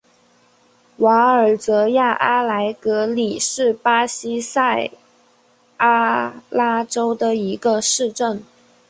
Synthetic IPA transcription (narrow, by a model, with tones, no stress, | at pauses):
wa˧˥ə˞˨˩t͡sɤ˧˥ja˥˩ʔa˥la˧˥ɪkɤ˧˥li˨˩ʂɻ̩˥˩pa˥ɕi˥sa˥˩ɪ | a˥la˥ʈ͡ʂo˥ʊd̪ə˨i˧˥ɡə˧ʂɻ̩˥˧ʈ͡ʂə˥˩n